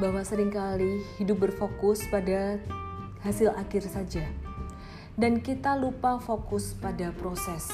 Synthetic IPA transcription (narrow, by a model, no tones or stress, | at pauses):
bawasəɾɪŋkalihidʊp̚bərfokʊspada | hasɪlakɪrsad͡ʒa | dankit̪alupafokʊspadapɾosɛs